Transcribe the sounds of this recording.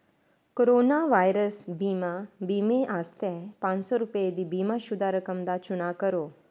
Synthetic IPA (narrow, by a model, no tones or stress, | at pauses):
koɾoːnaʋajɾəsbiːmabiːmeʔaːst̪ɛpãːnsɔɾupəjed̪ibiːmaʃʊd̪ʱaɾəkəmd̪at͡ʃuɽ̃akəɾo